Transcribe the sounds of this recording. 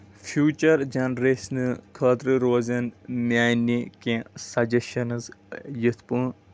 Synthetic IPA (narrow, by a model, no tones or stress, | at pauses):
fjuːt͡ʃɐɾd͡ʒɐnɾesnɨkʰɐd̪ɾɨɾoːzɐnmʲaːnikẽsɐd͡ʒeʃɐnɨzjɨt̪ʰpũː